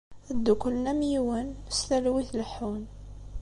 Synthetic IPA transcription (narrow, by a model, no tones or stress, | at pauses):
æd̪ːukəlnæmjiwənəst̪ælwiθləħun